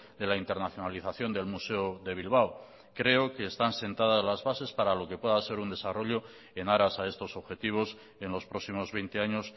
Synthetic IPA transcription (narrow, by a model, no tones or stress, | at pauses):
d̪e̞laint̪e̞ɾnaθjonaliθaθjo̞nd̪e̞lmuse̞oðe̞β̞ilβ̞aw | kɾe̞oke̞ːst̪anse̞nt̪að̞azlazβase̞spaɾalo̞ke̞pwe̞ðase̞ɾund̪e̞saro̞ʎo̞ | e̞naɾasae̞st̪o̞so̞βxe̞t̪iβ̞o̞s | e̞nlo̞spɾo̞ksimo̞zβe̞jnt̪e̞aɲo̞s